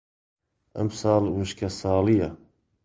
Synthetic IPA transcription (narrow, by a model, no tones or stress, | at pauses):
ʔɐ̰msɑːlwuʃkʰɐsɑːlijɐ